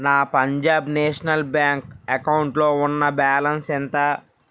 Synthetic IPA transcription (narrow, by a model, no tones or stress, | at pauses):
naːpɐɲd͡ʒaːbneːʂɐnɐlbjaːŋkɐkɐwuɳʈlo̞ːunːɐbaːlɐnsɛnt̪ɐ